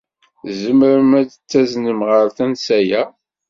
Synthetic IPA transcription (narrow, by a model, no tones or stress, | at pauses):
zəməɾəmæd̪ət͡sːæznəmʁəɾθænsæjæ